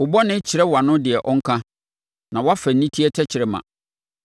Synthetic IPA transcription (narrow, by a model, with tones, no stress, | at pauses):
ʊ˨bɔ˦nɪ̃˦t͡ɕʰɪ˨ɾɛ˦wa˨nʊ̃˦dɪ˨ɛ˨ʔɔ˦ŋ˦kʰã˦ | nã˨wa˦fæ˨n̩˨nĩ˦tʰi˦ɛ˦tʰɛ˦t͡ɕʰɪ˨ɾɛ˨mã̰˨